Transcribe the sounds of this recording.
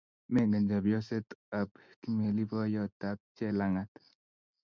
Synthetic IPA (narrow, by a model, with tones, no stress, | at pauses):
me˦ŋɡə˨ɲd͡ʒa˨bjɔ˦se˦t̪a˨b | ki˦m˨e˨li˦bɔ˦jɔ˦ta˦p̚t͡ʃɛ˦la˦ŋa˨t̪